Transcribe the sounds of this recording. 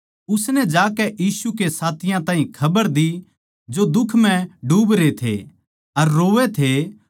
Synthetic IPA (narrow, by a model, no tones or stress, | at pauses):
ʊsnɛd͡ʒaːkɛʔjiːsukesaːt̪ʰɪjãt̪ãːɦĩkʰɐbəɾd̪i | d͡ʒod̪ʊkʰmɛ̃ɖuːbɾet̪ʰḛ | ɐɾːoːʋet̪ʰe